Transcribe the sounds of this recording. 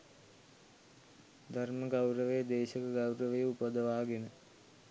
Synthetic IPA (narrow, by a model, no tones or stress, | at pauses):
d̪ʱɐrməɡɐwɾəʋejəd̪eːʃɐkɐɡɐwɾəʋəjəupəd̪əʋaːɡenə